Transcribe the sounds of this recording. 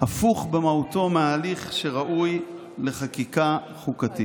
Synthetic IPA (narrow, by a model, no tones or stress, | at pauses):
afuχbe̞mauto̞meaːliχʃe̞ʁaʔuj | le̞χakika | χukati